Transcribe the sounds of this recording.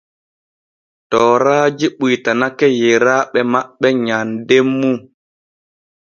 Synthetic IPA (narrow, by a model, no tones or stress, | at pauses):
tɔːɾaːd͡ʒiɓujtanakɛjɛɾaɓɛmaɓːɛɲandemːu